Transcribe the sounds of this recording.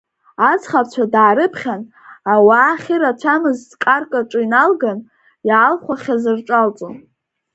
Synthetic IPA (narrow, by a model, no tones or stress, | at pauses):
at͡sʰχap̚ʰt͡ɕʷʰadaːɾɨpʰχʲan | awaχʲiɾat͡ʃʷʰamɨzdkʼarkʼaʈ͡ʂʼɨinalɡan | jaːlχʷaχʲazɨrʈ͡ʂʷʼalt͡sʼon